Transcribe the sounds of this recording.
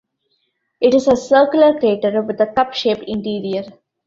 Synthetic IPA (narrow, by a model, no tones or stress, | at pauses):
ɪʈɪzəsəːɾkjʊləɾkɾeːʈəɾʋɪd̪əkʌpʃeːpɪ̃ɳʈiːɾiəɾ